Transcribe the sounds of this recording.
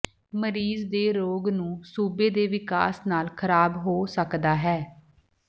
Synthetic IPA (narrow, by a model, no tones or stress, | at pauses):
məɾiːzd̪eːɾoːɡnũːsuːbeːd̪eːʋɪka̰ːsnaːlkʰəɾaːbɦoːsəkd̪aːɦɛː